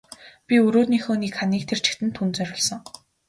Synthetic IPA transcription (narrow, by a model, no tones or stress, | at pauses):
pʲiɵɾoːniːxoːnikχaniːk̚t̪ʰer̥t͡ɕɪ̥̆kt̪ɘ̆nt̪ʰunt͡sœɾʲɪ̆ːɮsɞ̆ŋ